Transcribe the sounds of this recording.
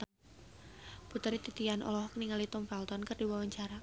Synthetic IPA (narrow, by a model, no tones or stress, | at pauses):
put̪əɾit̪it̪ianʔɔ̰lɔhkəniŋalit̪ɔmfɛlt̪ɔnkərdiwawaɲt͡ʃaɾa